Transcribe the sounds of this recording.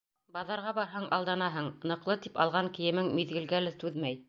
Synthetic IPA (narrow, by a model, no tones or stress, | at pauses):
bɑðɑɾʁɑbɑɾɦɑɴʔɑ̰lˠd̪ɑnɑɦɤɴnɤ̆qlˠɤt̪ipɑ̰lˠʁɑŋkɘ̆jɘ̆mɘŋmiðɡɘ̆lɡælɘt̪ʉðmæj